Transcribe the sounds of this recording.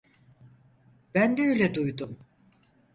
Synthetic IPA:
b̥ænd̪ɛøjlʲɛd̪ujd̪um

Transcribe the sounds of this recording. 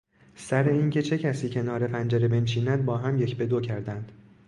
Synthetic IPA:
sæɾe̞iːncʰe̞t͡ʃʰe̞cʰæsiːcʰe̞nɒːɾe̞pʰænd͡ʒæɾebe̞nʃiːnæd̪̚bɒːɦæmje̞cʰbe̞d̪ocʰæɾd̪ænd̪̥

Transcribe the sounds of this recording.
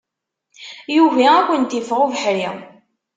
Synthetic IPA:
juvæækʷːənt̪ifʁovəħɾi

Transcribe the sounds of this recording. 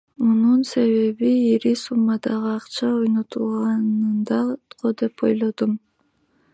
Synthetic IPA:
mununse̞βe̞βiiɾisumːɑd̪ɑʁɯɑqt͡ʃɑojno̞t̪ulˠʁɑnɯnd̪ɑt̪qʰod̪e̞po̰jlˠo̞d̪um

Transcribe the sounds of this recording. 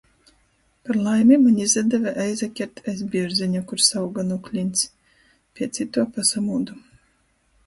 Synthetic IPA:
paɾlˠajmʲimanʲizʲad̪ɛvaʔɛjzakʲɛɾt̪ʰɛzbʲiɾziɲʲukuɾsawɡanuklʲinʲt̪s | pʲiɛt̪sit̪uɔpasamuːd̪u

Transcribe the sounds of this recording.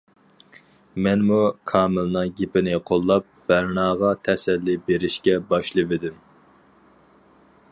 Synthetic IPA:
mɛnmukʰɑːmɨlˠnɨŋɡʲepɪnɪqʰolˠːɑp̚b̥æɾnɑːʁɑt̪ʰɛsɛlːibeɾɪʃkʲɛbɑʃlˠɨvɪd̪ɪm

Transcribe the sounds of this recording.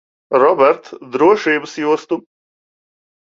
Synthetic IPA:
ɾɔbɛɾt̪d̪ɾuɔʃiːbəsjust̪u

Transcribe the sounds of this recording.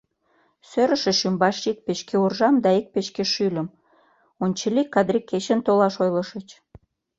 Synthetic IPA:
søɾə̆ʃə̆ʃymbɑʃik̚peʃkeurʒɑmd̪ɑik̚peʃkeʃylʲə̆m | onʲt͡ɕəlikːɑd̪ɾikːet͡ɕənt̪olɑʃojləʃət͡ɕ

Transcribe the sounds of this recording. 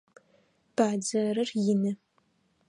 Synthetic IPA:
b̥aːd͡ʒɐɾɨrjɪnɨ

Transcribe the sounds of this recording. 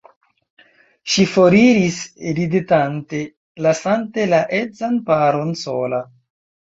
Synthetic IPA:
ʃifo̞ɾiɾisɾidetante̞ | lasante̞laʔed͡zanpaɾo̞nso̞la

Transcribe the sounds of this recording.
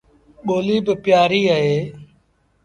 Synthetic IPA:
ɓoːliːbɪpjaːɾiːəɦeː

